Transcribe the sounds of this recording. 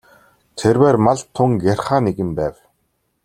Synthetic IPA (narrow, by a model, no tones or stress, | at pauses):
t̪ʰerwæːrmaɮt̪ʰːʊŋɡarχaːneɣɘ̆mpæːw